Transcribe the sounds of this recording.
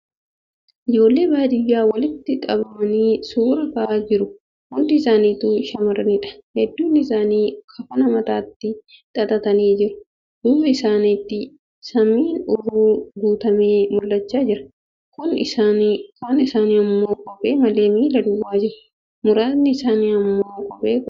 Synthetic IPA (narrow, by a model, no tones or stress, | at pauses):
ʔɪd͡ʒo̞ːlːe̞ːbaːd̪ɪjːaːwɐlɪt̪ːɪᶑʼɐbɐmɐniːsuːɾɐkɐʔaːd͡ʒɪɾʊ | mʊd̪ɪɪsaːniːt̪uːʃɐmɐɾɐniːᶑɐ̥hɛd̪ːuːnɪsaːniːkʰɐfɐnɐmɐt̪aːt̪ːɪt̪ʼɐt̪ʼɐt̪ɐniːd͡ʒɪɾʊ̥ | d̪̥uːbɐɪsaːniːt̪ːɪ | sɐmiːnʊɾuːɡuːt̪ɐmeːmʊlːɐt͡ʃːaːd͡ʒɪɾɐ̥ | kʊnakonɪsaːniːɐmːo̞ːkʼɔpʼe̞ːmɐle̞ːmiːlɐd̪ʊwːaːd͡ʒɪɾʊ̥ | mʊɾaːt̪nɪɪsaːniːɐmːoːkʼɔbʼe̞ːk